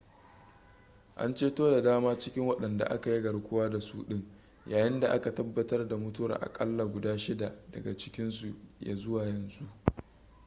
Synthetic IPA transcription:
ʔa̰˦nt͡ʃeː˦toː˦da˨daː˦maː˦t͡ʃɪ˦kʲɪ˦ŋwɐ˦ɗɐ˨nda̰˨ʔa˦ka˨ji˦ɡɐ˨ɽkʷʊ˦waː˦da˨suː˦ɗɪ˦ŋ | jaː˨jɪ˦nda˨ʔa˦ka˨tɐ˦bːɐ˦tɐ˦rda˨mʊ˦tʊ˦a̰˨rʔa̰˨kʼɐ̰˦lːa˨ɡʷʊ˨daː˦ʃɪ˦da˨dɐ̰˨ɡa˨t͡ʃɪ̥˦kʲɪ˦nsu˨ja̰ː˨zʊ˦waː˨jɐ˨nzu˦ʔ

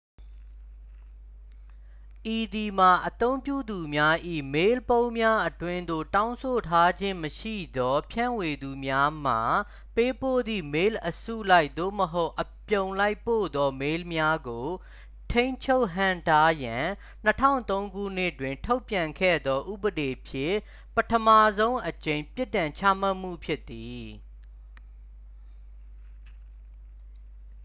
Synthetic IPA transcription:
ʔi˨d̪i˨ma˨ʔət̪õ˦ʊ̃mpjṵ˦˨d̪u˨mja˦ʔḭ˦˨me˦lpõ˦ʊ̃mja˦ʔətwɪ̃˦nd̪o̰˦˨tã˦ʊ̃sʰo˨tʰa˦d͡ʑɪ̃˦məʃḭ˦˨d̪ɔ˦pʰjã̰˦˨we˨d̪u˨mja˦m̥a˨ | pe˦po̰˦˨d̪ðḭ˦˨me˦lʔəsṵ˦˨la˦ɪʔ̪̚d̪o̰˦˨məɦo˦ʊʔəpjõ˨ʊ̃la˦ɪpːo̰˦˨d̪ɔ˦me˦lmja˦ɡo˨ | tʰẽ˦ɪ̃ɲt͡ɕʰo˦ʊʔɦã̰˦˨nta˦jã˨ | n̥ətʰã̰˦˨nt̪õ˦ʊ̃ŋɡṵ˦˨n̥ɪ˦ʔtwɪ̃˨ntʰo˦ʊpjã˨ŋkʰɛ̰˦˨d̪ðɔ˦ʔṵ˦˨bəde˨pʰjɪ̃˦˨ | pətʰəma˦˨zõ˦ʊ̃ʔət͡ɕẽ˨ɪ̃pjɪ˦tːã˨ɲt͡ɕʰa̰˦m̥a˦ʔm̥ṵ˦˨pʰjɪ˦t̪̚ːi˨

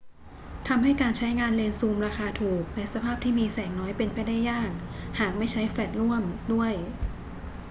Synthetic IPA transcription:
t̪ʰa˧mɦa˥˩jkaː˧nt͡ɕʰa˦˥jŋaː˧nle˧nsuː˧mɾaː˧xʰaː˧t̪ʰuː˨˩k̚lɛ˦˥sa˧pʰaː˥˩p̚t̪ʰiː˥˩miː˧sɛː˩˦ŋnɔː˦˥jpe˧npa˧jda˥˩jːaː˥˩k̚haː˨˩k̚ma˥˩jt͡ɕʰa˦˥jfɛː˨˩t̪̚ɾu˥˩əmdu˥˩əj

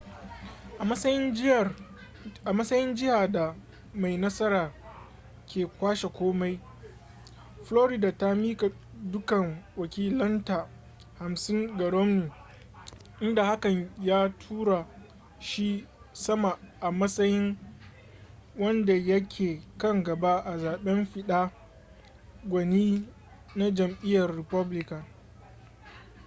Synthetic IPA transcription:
ʔa˨ɐ˦sɐ˦jɪ˦n˨ | ʔa˨mɐ˦sɐ˦jɪ˦nd͡ʒɪ˦haː˨da˨ | ma˨jnɐ˦sɐ˦ɾaː˨ | kʲʰeː˨kʷaː˦ʃe˨kʷoː˦ma˦j | floː˦ɾɪ˦daː˨ta˦miː˦ka˨ | dʊ˦kɐ˨ŋwɐ˨kʲiː˦lɐ˦nta˨ | ha˨msɪ˦ŋɡɐ˨ɽɔ˦mnuː˨ | ʔɪ˦nda˨ha˦kɐ˨ɲjaː˦tʰuː˦ɾa˨ | ʃi˦ | sɐ˦ma˨ʔa˨mɐ˦sɐ˦jɪ˦ŋ | wɐ˦nda˨jɐ˦kʲʰeː˨kɐ˦ŋɡɐ˨ba˦ʔa˨zaː˨ɓɛ˦mɸɪ˦ɗaː˦ | ɡʷɐ˨niː˦ | na˦d͡ʒɐ˨mʔɪ˦jɐ˨rːɪ˨pɐ˦blɪ˦kɐ˨n

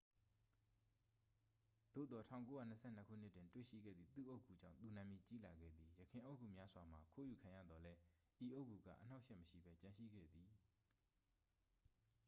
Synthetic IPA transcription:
d̪̥o̰˦˨d̪ɔ˨tʰã̰˦˨ʊ̃ŋko˦jä̰˦˨n̥ə˦sʰɛ̰˦˨n̥ə˦kʰṵ˦˨n̥ɪ˦tɪ̃˨ntwḛ˦˨ʃḭ˦˨ɡɛ̰˦˨d̪ðḭ˦˨t̪ṵ˦˨ʔo˦ʊʔkʰːu˨d͡ʑã˦˨t̪u˨nã˨mji˨t͡ɕi˦la˨ɡɛ̰˦˨d̪ði˨jəkʰɪ̃˨ʔo˦ʊʔkʰːu˨mja˦zwa˨m̥a˨kʰo˦˨ju˨kʰã˨ja̰˦˨d̪ɔ˨lɛ˦ | ʔi˨ʔo˦ʊkːu˨ɡä̰˦˨ʔəna˦ʊʔʃɛ˦ʔməʃḭ˦˨bɛ˦t͡ɕã˨ʃḭ˦˨ɡɛ̰˦˨d̪i˨

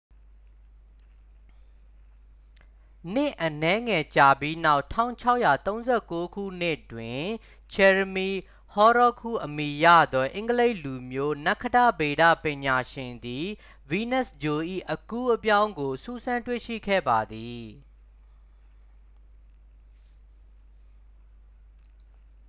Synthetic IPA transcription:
n̥ɪ˦˨ʔənɛ˦ŋɛ˨t͡ɕa˨bji˦na˦ʊtʰã̰˦˨ʊ̃t͡ɕʰa˦ʊʔja˨t̪õ˦ʊ̃zɛ˦˨ko˦kʰṵ˦˨n̥ɪ˦ʔtwɪ̃˨ | t͡ɕʰɛ˨ɹəmi˨ | hɔ˦ɾɔ˦˨kʰṵ˦˨ʔəmi˨jä̰˦˨d̪ɔ˦ʔɪ̃˦ŋɡəle˦ɪʔlu˨mjo˦na˦kʰːəda˦˨be˨dä̰˦˨pɪ̃˨ɲa˨ʃɪ̃˨nd̪i˨ | wi˨nɛ˦˨sd͡ʑo˨ʔḭ˦˨ʔəku˦ʔəpjã˦ʊ̃ŋɡo˨su˦˨sʰã˦ntwḛ˦˨ʃḭ˦˨kʰɛ̰˦˨ba˨d̪i˨

